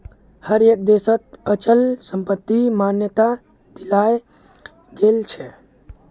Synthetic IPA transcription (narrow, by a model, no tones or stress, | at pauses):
həɾjək̚d̪esət̪̚ət͡ʃəlsəmpət̪ːimanjət̪a | d̪̥ilaj | ɡelt͡ʃʰɛ